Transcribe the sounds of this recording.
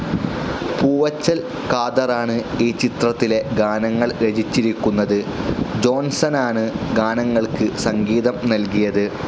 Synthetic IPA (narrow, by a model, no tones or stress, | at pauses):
puːʋɐt͡ɕːɐl | kaːd̪ɐraːɳɨiːt͡ɕit̪rɐt̪ːile̞ɡaːnɐŋːɐɭɾed͡ʑit͡ɕːiɾikʲːunːɐðɨd͡ʑo̞ːnsɐnaːɳɨɡaːnɐŋːɐɭkɨsɐŋɡiːðɐmnɐlkijɐðɨ